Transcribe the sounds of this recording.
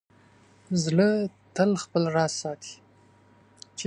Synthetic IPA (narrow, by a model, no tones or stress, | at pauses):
zlət̪əlxpəlɾɑsɑt̪ʰi̥ | t͡ʃe